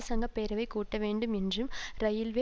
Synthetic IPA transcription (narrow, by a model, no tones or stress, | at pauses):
sɐŋɡɐpːeːɾɐʋɐɪkːuːʈːɐʋeːɳɖɯmɛndrɯmɾɐjɪlʋe